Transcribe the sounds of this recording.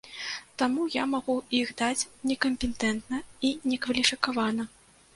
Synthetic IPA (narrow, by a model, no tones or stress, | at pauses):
t̪amujamaɣuixd̪at͡sʲnʲɛkɐmʲpʲɛnt̪ɛnt̪nɐinʲɛkvɐlʲifʲikavanɐ